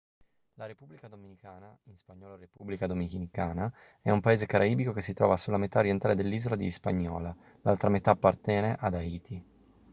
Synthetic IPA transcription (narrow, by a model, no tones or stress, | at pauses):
laɾepubːlikad̪ominikaːnainspaɲːɔːlaɾepubːlikad̪ominikaːna | ɛumpaeːzekaɾʔaiːbikokesːit̪ɾɔ̰ːvasulːamet̪aoɾjent̪aːled̪elːiːzolad̪ispa̰ɲːɔ̰ːla | lalt̪ɾamet̪aːpːart̪ɛːneʔad̪aiːt̪ʰi